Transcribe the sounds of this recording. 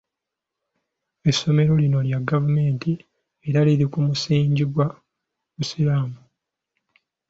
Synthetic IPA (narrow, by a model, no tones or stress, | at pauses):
e̞sːo̞me̞ɾo̞lino̞ljaɡavume̞ːnti | eɾaliɾikumusiːɲɟiɡwa | usiɾaːmu